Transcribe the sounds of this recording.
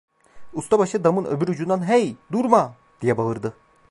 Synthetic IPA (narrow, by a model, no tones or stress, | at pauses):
ust̪abaʃɯd̪amɯnøbyɾud͡ʒund̪anɦɛjd̪uɾma | d̪̥ijɛbaɯɾd̪ɯ